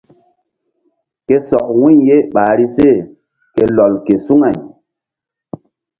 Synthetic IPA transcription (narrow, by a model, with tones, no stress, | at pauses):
ke˦sɔ˨k̚wu˦˨ɲje˦ɓaː˨ɾi˦se˦˨ | ke˨lɔ˨lke˨su˦ŋa˨ɲ